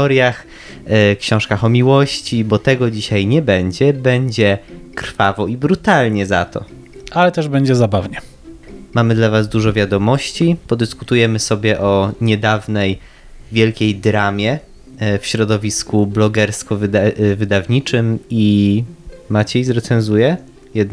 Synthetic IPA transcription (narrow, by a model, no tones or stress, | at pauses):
ɔɾjax | kɕɔ̃w̃ʂkaxɔmʲiwɔɕt͡ɕibɔt̪ɛɡɔd͡ʑiɕajɲɛbɛɲd͡ʑɛbɛɲd͡ʑɛkɾ̥favɔibɾut̪alɲɛza̰t̪ɔ̰ | alɛt̪ɛʐbɛɲd͡ʑɛzabavɲɛ | mamɘd̪lavazd̪uʐɔvʲjad̪ɔmɔɕt͡ɕipɔd̪ɘskut̪ujɛmɘsɔbʲjɛʔɔɲɛd̪avnɛj | vʲjɛlkʲejd̪ɾamʲjɛ | fɕɾɔd̪ɔvʲiskublɔɡɛɾskɔvvɘd̪avɲit͡ʂɘmi | mat͡ɕɛjzɾɛt̪sɛnzujɛ | jɛd̪̚n